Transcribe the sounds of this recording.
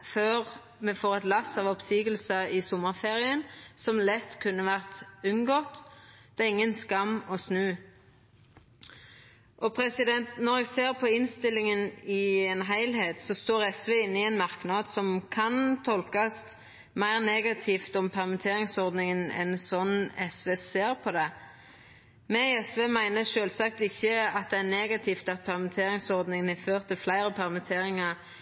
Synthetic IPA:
føːʁ | mɛfoːʁɛt̪lɑsɑːʋɔpsiːɡəlsəɪsʊmːəʁfeːʁɪənsɔmlɛt̪ːkʰʉnːəʋæʁt̪ʉnɡɔːt̪d̪̥ɑːɪŋːənskɑmːɔsnʉː | ʔɔpʰʁɛsɪd̪ɛnt̪nɔʁɛɡseːʁpʰɔɪnst̪ɪlːɪŋənɪeːnɦæɪlheːt̪sɔst̪oːʁɛsʋeɪnːɪɛːnmɑʁknɑd̪sɔmkʰɑnt̪ʰɔlkɑst̪ | mæɪʁneːɡɑt̪ʰift̪ɔmpʰæʁmɛt̪ʰeːɾɪŋsɔʁd̪nɪŋənɛ̰nsɔnɛsʋeːseːɾpʰɔd̪ɛ | mɛɛsʋeːmæɪnəʃøːlsɑk̚t̪ɪçːəɑt̪̚d̪ɛːʁneːɡɑt̪ʰɪːft̪ɑt̪̚pʰæʁmɪt̪ʰeːɾɪŋsɔʁd̪nɪŋənæføːʁt̪ɪflæɪʁəpʰæʁmət̪ʰeːɾɪŋɑʁ

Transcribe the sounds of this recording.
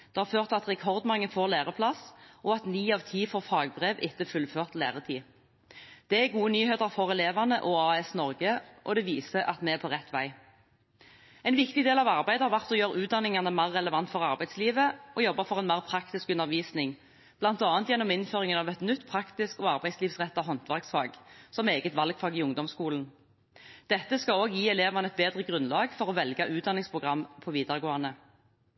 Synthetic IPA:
d̪̥ɛhɑʁføːʁt̪ɑt̪ʁɛkʰɔʁd̪mɑŋːəfoːʁleːʁəpʰlɑsʔɔɑt̪niːɑʋt̪ʰiːfɔʁfɑːɡ̚bʁeːʋɪt̪ːəfʉlføːʁt̪lḛːʁət̪ʰiː | d̪̥ɛæɡuːənyːheːt̪əʁfɔʁɛleːʋɑʁnəʔɔɑːɛsnɔʁɡəʔɔ̰d̪ɛʋiːsəʔɑt̪mɛɛpʰɔʁɛt̪ːʋæɪ | ɛɪnʋɪkt̪ɪd̪eːlɑʋɑʁbæɪd̪əhɑɾʁʋæʁt̪ɔjøːʁʉːt̪̚d̪ɑnːɪŋɑnəmæʁːɛləʋɑnt̪fɔʁɑʁbæɪsliːʋəɔjɔbːɑfɔʁɛnmæːʁpʰʁɑkt̪ɪskʉnːəʁʋiːsnɪŋ | b̥lɑnt̪ɑːnt̪jɛnːɔmɪnføːʁɪŋənɑʋɛt̪nʏt̪ːpʰʁɑkt̪ɪskɔːɑʁbæɪsliːʋsʁɛt̪ːɑɦɔnt̪ʋæʁksfɑːɡsɔmeːɡət̪ʋɑlɡfɑːɡiːʊŋd̪ɔmskuːln̩ | d̪̥ɛt̪ːəskɑoːɡjiːɛleːʋɑnəɛt̪̚beːd̪ʁəɡʁʉnlɑːɡfɔʁɔʋɛlɡɑʔʉːt̪̚d̪ɑnɪŋspʰʁʊɡʁɑmːpʰɔʋiːd̪ɑʁɡoːɑnə

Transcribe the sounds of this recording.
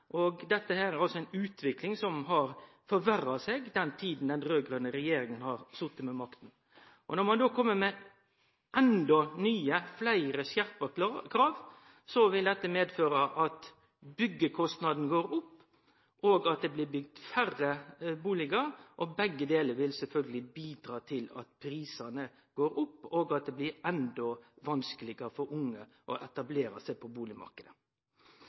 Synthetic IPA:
ʔɔɡd̪ɛt̪ːəhæːɾæɾɑlsɔæɪnʉːt̪ʰʋɪklɪŋsɔmɦɑɾ | fɔɾʋærːɑsɛɡd̪ɛnt̪ʰiːd̪n̩d̪ɛnɾøːɡɾønəɾɛjeːɾɪŋənhɑɾsʊt̪ːət̪mɛmɑkt̪n̩ | ʔɔnɔɾmɑnd̪oːkʰɔmːəmɛ | ʔɛnd̪ɔnyːəflæɪɾəsjæɾpəkʰɾɑːʋ | sɔʋɪld̪ɛt̪ːəmeːd̪føːɾəʔɑt̪ | bʏɡːəkʰɔst̪nɑd̪n̩ɡoːɾʊpː | ʔoːɡɑt̪̚d̪ɛːblɪbʏɡd̪færəbuːlɪɡəɾʔɔbɛɡːəd̪eːləɾʋɪlsɛlfœlɡəlɪbiːd̪ɾɑːt̪ʰɪlɑ̰t̪pʰɾiːsɑnə | ɡ̥oːɾʊpːoːɡɑt̪̚d̪ɛːblɪɾɛnd̪ɔʋɑnskəlɪɡəfɔɾʊŋːə | ʔɔʔɛt̪ɑbleːɾɑ̰sæɪpʰɔbuːlɪmɑ̰ɾkəd̪ə

